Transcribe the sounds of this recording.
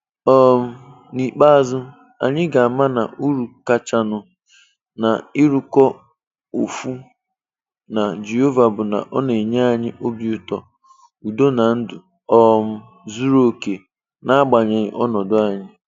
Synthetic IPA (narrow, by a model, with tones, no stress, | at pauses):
ɔ˦m̩˦ | ni˨k͡pa˦a˨zʊ˦ | a̰˨ɲɪ˦ɡa˨a˨ma˦na̰˨u˦ɾu˨ka˦t͡ʃa˨nʊ˨ | na˨i˦ɾu˨kɔ˦ | o˨fu˦ | na˨d͡ʒe˨ɦo˦va˨bʊ˨na̰˨ʔɔ˦ne˨ɲa˦a˦˨ɲɪ˦ʔo˦bi˨u˨tɔ̰˨ | u˨do˦na˨n̩˦dʊ˨ | ɔ˦m̩˦ | zu˦ɾo˦˨ke˨ | na˦a˦ɡ͡ba˨ɲe˨ɲɪ̰˨ʔɔ˦nɔ˨dʊ˦a˨ɲɪ˦